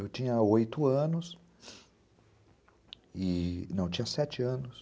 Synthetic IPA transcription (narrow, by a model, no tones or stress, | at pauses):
ewt͡ʃĩɲɐojt̪ʊɐ̃nʊs | ɪnɐ̃w̃et͡ʃĩɲɐsɛt͡ʃɪɐ̃nʊs